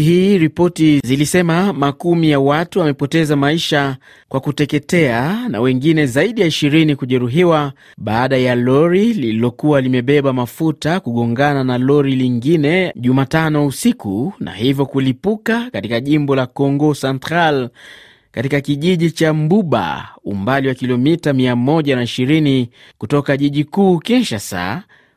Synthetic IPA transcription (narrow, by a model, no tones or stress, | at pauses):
hiːɾipɔtizilisɛmamakumijawatuamɛpɔtɛzamaiʃa | kwakutɛkɛtɛana̰wɛŋɡinɛzaiɗijaiʃiɾinikuʄɛɾuɦiwa | ɓaːɗajalɔɾilililɔkuwalimɛɓɛɓamafutakuɠɔŋɡananalɔɾiliŋɡinɛʄumatanɔusikunʔa̰hivjɔkulipukakatikaʄimbɔlakɔŋɡɔsantɾal | katikakiʄiʄit͡ʃambuɓa̰ṵmbaliwakilɔmitamiamɔʄanaiʃiɾini | kutɔkaʄiʄikuːkɛnʃasa̰